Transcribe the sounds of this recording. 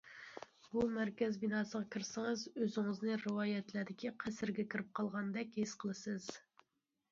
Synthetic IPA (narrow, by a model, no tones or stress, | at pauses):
bumæɾkʲɛzbinɑːsəʁɑkʲʰiɾsɪŋɨzøzɪŋɨznɨɾɨwɑːjɛt̪læɾd̪ɪkʲiqʰæsɪɾɡʲɛkʲʰiɾɪp̚qʰɑlˠʁɑnd̪ɛkʲhesqʰəlˠɨsɨz̥